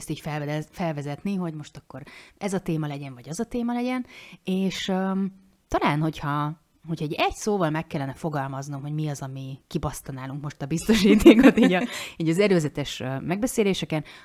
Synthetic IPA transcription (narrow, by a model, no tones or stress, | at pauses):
st̪iːcfɛfɛlvɛzɛt̪niɦo̞ɟmo̞ʃt̪ɒkːo̞ɾɛzɒt̪eːmɒlɛɟɛɱvɒɟɒzɒt̪eːmɒlɛɟɛneːʃø | t̪ɒlaːnho̞chɒ | ɦochɒɛɟɛɟsoːvɒlmɛkːɛlːɛnɛfo̞ɡɒlmɒznomɦo̞ɟmiɒzɒmikibɒst̪ɒnaːluŋkmo̞ʃt̪ɒbist̪o̞ʃiːt̪eːkot̪iːɟɒiːɟɒzɛɾøːzɛt̪ɛʃmɛɡbɛseːleːʃɛkɛn